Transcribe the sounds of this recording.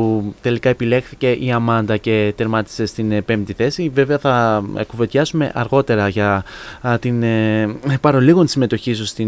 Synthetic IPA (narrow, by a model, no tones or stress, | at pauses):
ut̪e̞likɐe̞pile̞xθice̞ʔiɐmɐnd̪ɐce̞t̪eɾmɐt̪i̥se̞st̪inpe̞mt̪iθe̞sive̞ve̞ɐθɐ̰kuve̞t̪çɐsume̞̰ʔɐɾɣo̞t̪e̞ɾɐʝɐ | t̪in | pɐɾo̞liɣonisime̞t̪o̞çisust̪i